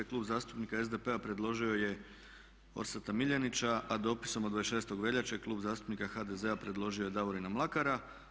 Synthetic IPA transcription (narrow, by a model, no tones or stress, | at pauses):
eklˠuːbzaːst̪u̥pnikae̞zd̪e̞pe̞apɾe̞d̪lˠo̞ʒio̞je̞ | o̰ɾsat̪amiʎanit͡ɕaʔad̪o̞pi̥so̞mod̪ʋajsʃe̞ːst̪o̞ɡʋe̞ʎat͡ɕeklˠuːbzaːst̪u̥pnikaxad̪e̞ze̞apɾe̞d̪lˠo̞ʒio̞je̞d̪aʋoɾinamlˠakaɾa